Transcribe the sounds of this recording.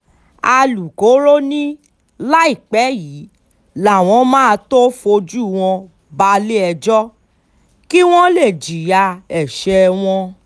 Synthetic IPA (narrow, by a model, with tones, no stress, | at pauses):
a˧lu˨ko˨˦ɾo˦nĩ˦ | la˦i˦˨k͡pɛ˨˦ji˨˦ | la˨w̃ɔ̃˧˦mãː˦˧to˦fo˧d͡ʒu˦˨w̃ɔ̃˧ | ba˧le˦ɛ˧d͡ʒɔ˦ | ki˦w̃ɔ̃˦le˦˨d͡ʒi˨ja˧ɛ˨ʃɛ˧w̃ɔ̃˧